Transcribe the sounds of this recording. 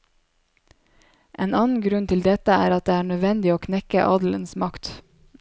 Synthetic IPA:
ʔeːnɑːnn̩ɡɾʉnt̪ʰɪld̪ɛt̪əæːɾɑt̪̚d̪eːæːɳœd̪ʋɛnd̪ɪoːkʰnɛkə̰ʔɑd̪l̩ənsmɑkt̪

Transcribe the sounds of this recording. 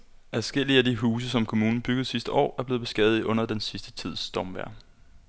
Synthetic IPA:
æsɡ̥el̰iəædiɦuːs̬əsɒ̽mkʰo̝muːnn̩b̥yɡ̥ð̩ˠsisd̥əɒ̰ːæɐb̥le̝ːðˠb̥e̝sɡ̥ɛ̰ːð̩ˠiʔɔ̽n̰ɐd̥ensisd̥ə̥t͡sʰið̞̰ˠsd̥ɒmʋæɐ̰

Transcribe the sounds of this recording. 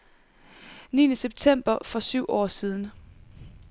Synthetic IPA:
nḭːnəseb̥̚t͡sʰem̰b̥ɐfɒ̽syʊ̰ʔɒ̰ːsiːð̞ˠn̩

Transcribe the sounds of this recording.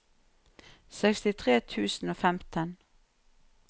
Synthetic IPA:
sɛkst̪ɪt̪ʰʁeːt̪ʰʉːsn̩oːfæmt̪ʰən

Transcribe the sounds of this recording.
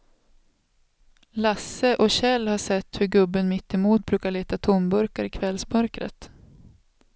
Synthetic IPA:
lasːəʔɔɕɛlːhaʂɛt̪ːhɵɾɡɵbːənmɪt̪ːɛmuːt̪̚bɾʉ̟ːkaɭeːt̪at̪ʰʊmbɵɾkaɾɪkʰvɛlsmœɾkɾə̰t̪

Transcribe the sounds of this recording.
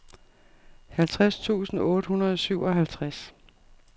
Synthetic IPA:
hælt͡sʰʁast͡sʰṵːsn̩ɔ̽ːɾ̥əhunɐð̞ˠɒ̽syʊ̰ʔɒ̽ɦælt͡sʰʁas

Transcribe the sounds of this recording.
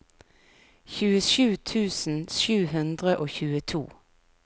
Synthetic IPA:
çʉːəʃʉːt̪ʰʉːsn̩ʃʉːhʉnd̪ʁəʔoːçʉːət̪ʰṵː

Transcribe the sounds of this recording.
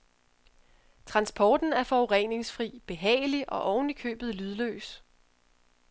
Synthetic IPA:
t͡sʰʁɑ̈nsb̥ʰɒːd̥n̩æɐfɒʊʁɛne̝ŋsfʁḭːb̥e̝ɦɛ̰ːɪliʔɒ̽ʔɒʊnlikʰø̰ːb̥ð̞̩ˠlyð̞ˠlø̰ːs

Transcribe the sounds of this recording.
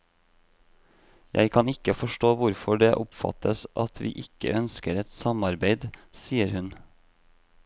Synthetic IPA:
jʔæ̰ɪkʰɑnɪkəfɔʃʈoːʋʊɾfɔɖeːʔʊpfɑ̰t̪ʰəsʔɑt̪ʰʋḭːʔɪkə̰œnskəɾɛt̪sɑmɑɾbeɪd̪siːəɾhʉn

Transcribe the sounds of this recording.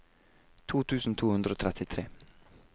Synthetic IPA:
t̪ʰuːt̪ʰʉːsn̩t̪ʰuːhʉnd̪ɾəoːt̪ʰɾɛt̪ɪt̪ʰɾeː

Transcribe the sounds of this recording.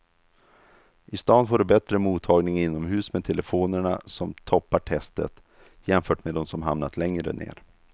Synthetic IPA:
ʔɪst̪ɑːnfoːɖɵbɛt̪ɾəmuːt̪ʰːɑːɡnɪŋɪnːɔmɦʉ̟ːsmed̪̚t̪ʰɛləfoːnəɳa̰sɔmt̪ʰɔpːaʈʰɛst̪ə̰t̪ | jɛmfœːʈmed̪ɔmsɔmɦamnat̪ʰlɛŋɾə̰nḛːɾ

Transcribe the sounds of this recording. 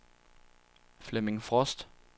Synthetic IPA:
flɛmɪŋfʁɔsd̥

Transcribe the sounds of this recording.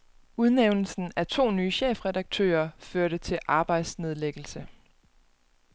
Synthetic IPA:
uð̞ˠneʊnl̩sn̩æt͡sʰo̝̰ːnyːɕḛːfʁɛdɑ̈ɡ̥̚t͡sʰø̰ːɐføɐɾət͡sʰe̝lʔɑ̈ːb̥ɑ̈ɪd̥sne̝ð̞ˠleɡ̥l̩sə

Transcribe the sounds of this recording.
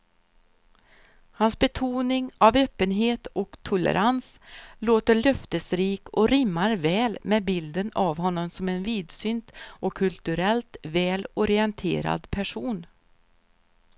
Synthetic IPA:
hansbɛt̪ʰuːnɪŋavøːpːənɦeːt̪ɔkt̪ʰʊlɛ̰ɾʔansloːt̪əɭœft̪əsɾiːkɔɾɪmːaɾvɛːlmeːbɪld̪ənavɦɔnːɔmsɔmɛnviːd̪sʏnt̪ʔɔkʰːɵlt̪ɵɾɛlt̪vɛːlɔɾɪɛnt̪ʰḛːɾa̰d̪pʰæʂuːn

